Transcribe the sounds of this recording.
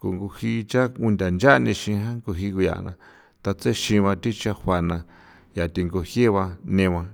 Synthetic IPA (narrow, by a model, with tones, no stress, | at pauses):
ko˨ŋɡu˧hi˧t͡ʃa˦u˧nd̪ʲa˨nd͡ʒa˦˧nĩ˧ʃĩ˧ɦã˦ŋko˧ɦi˧ku˧ja̰˨nã̰˧ | t̪a˧t͡se˦ʃĩ˧βã˧t̪i˦t͡ʃa˧ha˧nã˧ | ja˨t̪i˧ŋɡo˧hje˦βa˧nẽ˧βã˧